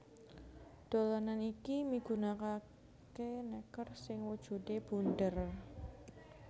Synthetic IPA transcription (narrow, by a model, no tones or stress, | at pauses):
d̥olananikimiɡ̥unaka | kenɛkərsɪŋwud̥ʒ̥ṳdeb̥undər